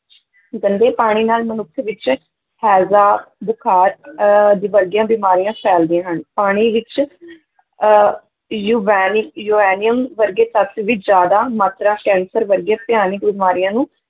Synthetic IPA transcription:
ɡənd̪eːpaːɽ̃iːnaːlmənʊkʰːʋɪt͡ʃ | hɛːzaːbʊkʰaːɾd̪iːʋəɾɡjãːbɪːmaːɾijãːpʰɛːld̪ɪãːɦəɳpaːɽ̃iːʋɪt͡ʃ | juʋɛːnɪkjuːɛːnɪjəmʋəɾɡeːt̪ət̪ʋɪt͡ʃd͡ʒjaːd̪aːmaːt̪ɾaːkɛ̃ːnsəɾʋəɾɡjãːpɪjaːnɪkbɪmaːɾijãːnũː

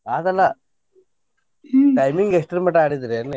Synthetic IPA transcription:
aːd̪ɐlːɐ | ʈɐjmiŋɡeksʈɾimeʈaːɽid̪iɾene

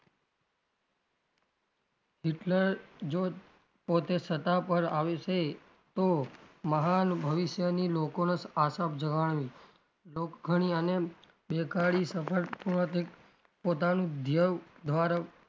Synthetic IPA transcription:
ɦɪʈləɾd͡ʒo | pot̪esət̪apəɾaʋeʃe | t̪oməɦanbʱəʋɪʃjənilokonəsasapd͡ʒəɡaɳ̃ʋi | lokɡʱəɽ̃iəne | bekaɭisəpʰəɾpuɳ̃ət̪ek | pot̪anũd̪ʱjəʋd̪ʱʋaɾa

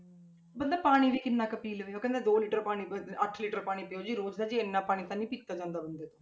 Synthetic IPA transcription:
bɐnd̪apaːɽ̃ibikɪnːakɐpiːlʋejokẽnd̪ad̪oːliːʈəɾpaːɽ̃iɐʈʰliːʈəɾpaːɽ̃ipejoːd͡ʒiɾoːd͡ʒd̪ad͡ʒienːapaːɽ̃it̪anːĩpiːt͡ʃt̪ad͡ʒãːnd̪abɐnd̪et̪o̥

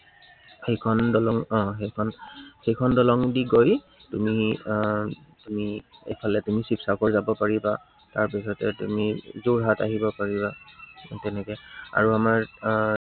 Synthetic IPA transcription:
xejkʰɔndɔlɔŋɔ̃xejkʰɔnxejkʰɔndɔlɔŋdiɡoj | tumi | tumiḛjpʰalɛtumisipsakɔɹzabɔpaɹiba | taɹpisɔtɛtṵmizuɹɦataɦibɔpaɹibatɛnɛkɛa̰ɹuamaɹ

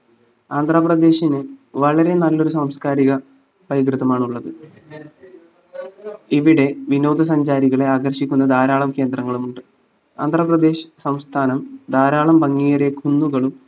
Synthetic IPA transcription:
aːnd̪ʱrɐprɐd̪e̞ːɕinɨʋɐɭɐɾe̞nɐlːo̞ɾusaːmskaːɾiɣɐ | b̥ɐjɡrɨðɐmaːɳuɭːɐðɨ | iʋiɽe̞ʋino̞ːd̪ʱɐs̬ɐɲd͡ʑaːɾiɣɐɭe̞aːɡɐrɕikʲːunːɐd̪ʱaːɾaːɭɐmke̞ːnd̪rɐŋːɐɭumuɳɖɨ | aːnd̪ʱrɐprɐd̪e̞ːɕɐ̥sɐmst̪ʰaːnɐmd̪ʱaːɾaːɭɐmbɐŋːijɐreɡʱunːuɣɐɭum

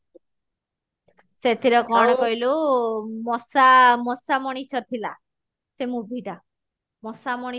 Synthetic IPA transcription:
set̪ʰiɾɔkɔɽ̃ɔkɔɦilumɔsamɔsamɔɽ̃isʰɔt̪ʰila | semũbʱiɖa | mɔsamɔɽi

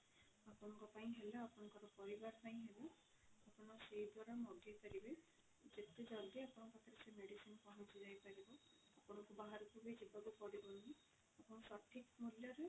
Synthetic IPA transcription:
apunɔŋkɔpaĩɦeleapunɔkɔɾɔpɔɾibaɾpaĩɦele | apunɔsejd̪ʱwaɾamɔɡipaɾibe | d͡ʒet̪ed͡ʒɔɡiapɔnɔpak̪ʰɾesemeɽisinpɔɦɔ̃sizajpaɾibɔ | apunɔkubaɦaɾukʰubed͡ʒibaɡupɔɽibɔni | apɔnɔsɔʈʰːik̚muljɔɾu

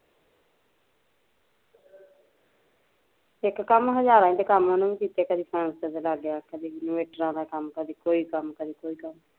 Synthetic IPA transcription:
ɪkːəmɦəd͡ʒaːɾãːĩːd̪eːkəmaːnũʋĩːkiːt̪aːkəd̪iːpʰɾɛ̃ːnsət̪elaɡjaːkəd̪iːɡɪnoːeːʈəɾãːd̪aːkəmkəd̪iːkoːiːkəmkəd̪iːkoːiːkəm

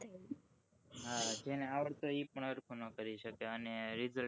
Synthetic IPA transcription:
ɦad͡ʒeneaʋəɭt̪oipəɳəɾkʰunõkəɾiʃəkeəneɾizə

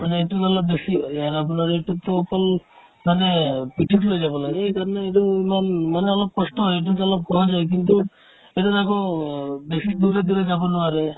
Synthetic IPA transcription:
maneeʈuzalɔbbesiɦɔjaɾapunaɾeːʈut̪ɔkɔl | manepiʈʰiʈlojd͡ʒabɔlaɡeejkaɾneeʈumanmaneɔlɔb̚kɔsʈɔɦɔjeʈ̬ud͡ʒalɔb̚kɔɦad͡ʒajk̬int̪u | eʈuɾakɔbesid̪uɾed̪uɾed͡ʒabɔnuaɾe

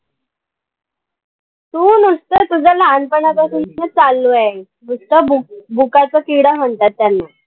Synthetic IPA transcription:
t̪uːnust̪ət̪ud͡zʱəlanpəɳat͡sasunət͡salːua | ɡust̪əbʱukat͡səkiɽaɦəɳt̪at̪ːjanːa

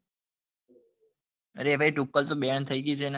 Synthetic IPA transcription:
ɾebʱaiʈukːəlt̪obeɳt̪ʰəjɡid͡ʒʰen

